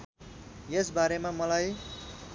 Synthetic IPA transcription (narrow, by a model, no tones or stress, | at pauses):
jesbaɾemamʌlaj